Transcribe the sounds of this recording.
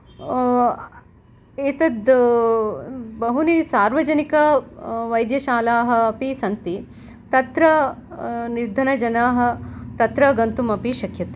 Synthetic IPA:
eːt̪ɐd̪ | bɐɦunisaːɾʋɐd͡ʒɐnikɐʋɐjd̪jɐʃaːlaːɦɐ̆ːpisɐnt̪i | t̪ɐt̪ɾɐ | niɾd̪ʱɐnɐd͡ʒɐnaːɦɐ̆t̪ɐt̪ɾɐɡɐnt̪umɐpiʃɐkʰjɐt̪i̥

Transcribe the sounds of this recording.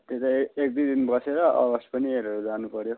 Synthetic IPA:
t̪et̪aek̚d̪id̪inbʌseɾʌʌ̰ɡʌspʌnieɾʌɾod͡zanupʌɾjo

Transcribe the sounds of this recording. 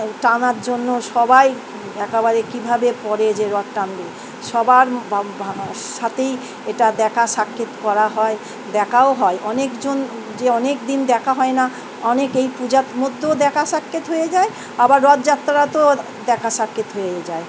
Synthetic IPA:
ʈanaɾd͡ʑonːoʃɔbaj | ɛkebaɾekibʱabepɔɾed͡ʑeɾɔt̪̚ʈanbe | ʃɔbaɾ | ʃat̪ej | eʈad̪ɛkʰaʃakːet̪kɔɾaɦɔe | d̪ɛkʰaoɦɔeʔɔnekd͡ʑon | d͡ʑeɔnek̚d̪ind̪ɛkʰaɦɔena | ɔnekejpud͡ʑatmod̪ʱːod̪ɛkʰaʃakːet̪ɦojed͡ʑae | abaɾːɔt̪d͡ʑat̪ːɾaɾat̪o | d̪ɛkʰaʃakːet̪ɦojed͡ʑae

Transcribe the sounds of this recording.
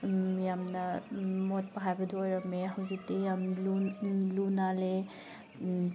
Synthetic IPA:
jamnamɔt̚paɦajbɐduɔɾameɦawzitejamlulunale

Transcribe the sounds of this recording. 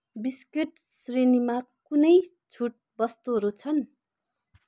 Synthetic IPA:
biskeʈ | srinimakunʌj | t͡sʰuʈ̚bʌst̪uɦʌɾut͡sʰʌn

